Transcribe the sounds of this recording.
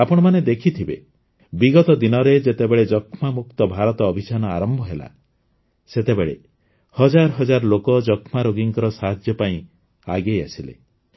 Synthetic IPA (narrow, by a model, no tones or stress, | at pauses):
apɔɽ̃ɔmaned̪ekʰit̪ʰibe | biɡɔt̪ɔd̪inɔɾed͡ʒet̪ebeɭed͡ʒɔkʰmamuk̚t̪ɔbʱaɾɔt̪ɔːbʱisanɔaɾɔmbʱɔɦela̰ | set̪ebeɭḛ | hɔd͡ʒaɾɔɦɔd͡ʒaɾɔlokɔd͡ʒɔkʰmaɾoɡiŋkɔɾɔsaɦad͡ʒjɔpaĩ | a̰ɡejasilḛ